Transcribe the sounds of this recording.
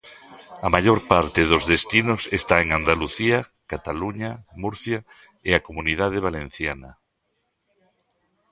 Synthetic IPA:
amaʎoɾpaɾt̪eðozðest̪inosest̪aeŋand̪aluθiɐkat̪aluɲamuɾθja | eakomuniðað̞eβ̞alẽn̟θjanɐ

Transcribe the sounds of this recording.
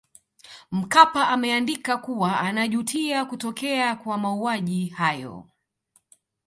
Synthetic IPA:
m̩kapaʔamɛandikakuwaanaʄutʰiakutɔkɛakwamauaʄihajɔ̰

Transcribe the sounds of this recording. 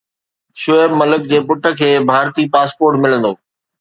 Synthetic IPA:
ʃʊebmɐlək̚d͡ʑeːpʊʈə̆kʰeːbʱaːɾt̪iːpaːspoːɾʈmɪlə̃nd̪oː

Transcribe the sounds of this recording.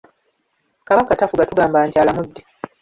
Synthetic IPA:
kaβaŋkatafuɡatuɡaːmbaːɲcaːlamudːi

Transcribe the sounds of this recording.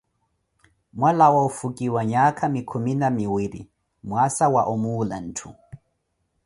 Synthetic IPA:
mwalawaufukʼiwaɲakʰʼamikʰɔminamiwiɾḭ | mwasawaʔɔmuːla̰n̩ːtʰu

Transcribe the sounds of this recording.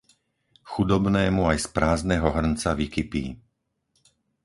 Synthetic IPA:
xud̪ɔbnɛːmuajspɾaːznɛɦɔɦr̩nt͡saʋikipḭː

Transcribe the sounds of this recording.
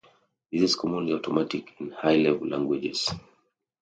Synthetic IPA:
ðiziz̥kʰɔmũnliaʊtʰɔmatikʰĩnhajlɛvlʔã̰ŋɡwid͡ʒɛ̰z̥

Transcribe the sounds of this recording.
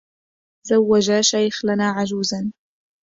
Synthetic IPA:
zawːad͡ʒaːʃajxlanaːʕad͡ʒuːzan

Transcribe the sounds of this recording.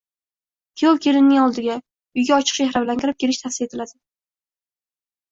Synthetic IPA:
kʲʰowkʲʰe̞lɪnːɪŋɒlˠd̪ɪɡʲa | ʊjɡʲaɒt͡ʃʰɨ̥qʃeɦɾablaŋkʲʰɪɾɪp̚kʲʰeɾɪʃt̪ʰafsɪet̪ʰɪlad̪ɪ

